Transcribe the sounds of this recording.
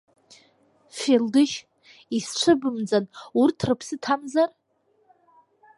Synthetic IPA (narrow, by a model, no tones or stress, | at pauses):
feldɨʃ | isʈ͡ʂʷʰɨbɨmd͡zʼanurtʰrɨpʰsɨtʰamzar